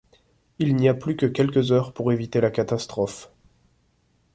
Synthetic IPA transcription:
ilniaplykəkʲɛlkəzœʁpuʁevit̪elakat̪ast̪χɔf

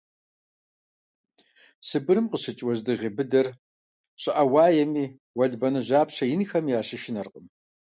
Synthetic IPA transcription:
sɨbɨɾɨmqəɕɨt͡ʃʼwɐʑdɨʁeːbɨdɐr | ɕʼɨʔɐwaːjɛmiː | wɐɮbɐnɨʑaːpɕɐjɪnxɐmjaːɕɪʃɪnɐrqʼəm

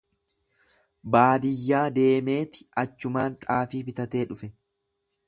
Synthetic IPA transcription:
baːd̪ɪjːaːd̪e̞ːme̞ːt̪ɪ̥ɐt͡ʃːʊmaːnt̪ʼaːfiːbɪt̪ɐt̪e̞ːᶑʊfɛ

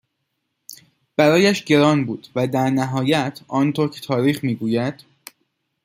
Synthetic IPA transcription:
b̥æɾɒːjæʃɟe̞ɾɒːnbuːd̪̥væd̪æɾnæɦɒːjæt̪ʰɒːnt̪ʰoɾcʰe̥t̪ʰɒːɾiːxmiːɡuːjæd̪̥

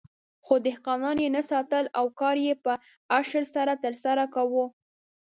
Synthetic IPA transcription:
xod̪ɪhqɑnɑnjenasɑt̪əlawkɑɾjepə | aʃəɾsaɾat̪əɾsaɾakawu

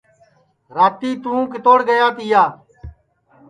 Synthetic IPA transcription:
ɾaːt̪iːt̪ũũːkɪt̪oːɽɡəjaːt̪ijaː

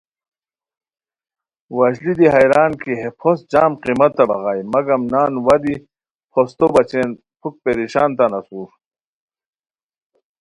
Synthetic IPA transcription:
wɐʑlid̪iɦɐjɾaːnkiɦepʰosd͡ʑaːmqimɐt̪ːɐbɐɣaːjmɐɡɐmnaːnwɐd̪i | pʰost̪obɐt͡ɕeːn | pʰuk̚peɾiɕaːnt̪anɐsuːɾ

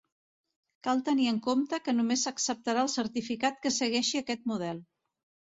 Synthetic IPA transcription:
kalˠt̪əniəŋkomt̪əkənumesəksəp̚t̪əɾaəlˠsəɾt̪ifikat̪̚kəsəɣɛʃiəkɛt̪̚muð̞ɛlˠ

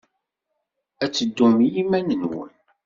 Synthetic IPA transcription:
æt͡sːəd̪ːumjimænənwə̰n

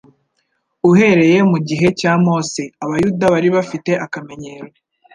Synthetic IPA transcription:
uɦe̞ɾe̞je̞muɟiɦe̞caːmo̞seaβajudaβaɾiβafite̞ʔakame̞ɲe̞ːɾwe

